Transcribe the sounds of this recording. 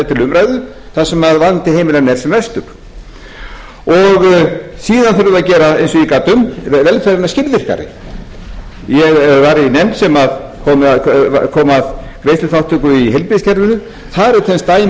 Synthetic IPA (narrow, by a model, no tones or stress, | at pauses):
ɛt̪ʰɪlʏmɾaːjðʏ | θasɛmaðvant̪ɪhejmɪlɛnɛɾ̥sɛmvɛst̪ʏɾ̥ | ɔɣsiːðanθɪɾʏðaðcɛːɾaejnsɔikat̪ːʏmvɛlfɛɾɪnascɪɾðvɪr̥ka̰ɾɪ̰ | jɛɣvaɾinɛmt̪sɛmaðkʰɔːm̰kʰɔːmað | kɾejslʏθawht̪ʰʏkʏiɦɛlpɾɪscʰɛɾðʏnʏ | θaɾɛɾt̪θɛnst̪aːj